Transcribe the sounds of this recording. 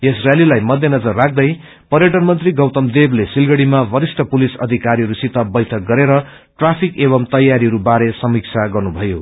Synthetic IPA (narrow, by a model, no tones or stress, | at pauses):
esrjalilajmʌd̪ʱjʌnʌd͡zʌrːakʰd̪ʌj | pʌɾjʌʈʌnmʌnt̪riɡʌwt̪ʌmd̪eblesilɡʌɽimabʌɾisʈʰʌpulisʌd̪ʱikaɾiɦʌɾusit̪abʌjt̪ʰʌk̚ɡʌɾeɾʌ | ʈrapʰikeβʌmt̪ʌjːaɾiɦʌɾubaɾesʌmik̚t͡sʰaɡʌrnubʱʌjo̰